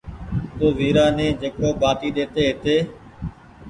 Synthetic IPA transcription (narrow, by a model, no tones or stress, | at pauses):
t̪oːʋiːɾaːnẽːd͡ʒeːkoːɓaːʈiːɗeːt̪eːɦɪt̪eː